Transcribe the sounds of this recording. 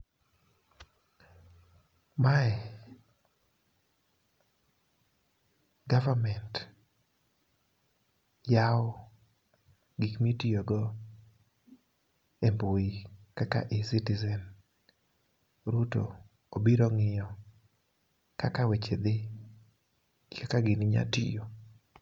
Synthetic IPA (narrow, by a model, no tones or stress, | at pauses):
maɛ | ɡavamɛnt | jaɔ | ɡikmitijoɡɔ | emboikaka̰ʔɪsitizɛn | ɾuto̰ | obiɾoŋɪjɔ | kakawet͡ʃed̪ɪ | kʰakaɡɪnɪɲa̰tɪ̰jo